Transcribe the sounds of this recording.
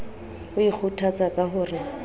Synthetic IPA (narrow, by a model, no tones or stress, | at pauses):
hʊik͡xʰutʰat͡sʼakʼaɦʊːrɪ